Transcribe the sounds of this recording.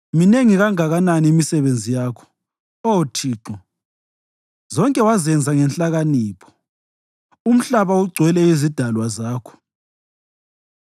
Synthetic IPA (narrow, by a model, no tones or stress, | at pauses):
mineŋiɣaŋaɣananiːmisɛβend͡zʱijaːkʰɔ̥ | otʰiːǁɔ | zɔŋkʼɛwazɛnd͡zʱaŋɛnɬʼaɣaniːpʰɔ̥ | um̩ɬaβauɡ͡ǀʱwɛlɛizid̥ʱalwazaːkʰɔ̥